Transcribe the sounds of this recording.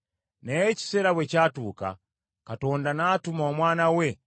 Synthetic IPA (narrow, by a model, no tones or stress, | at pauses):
nɛt͡ʃi̥sɛɾawɛt͡ʃatuka̰ | katɔndanatumawamwanawɛ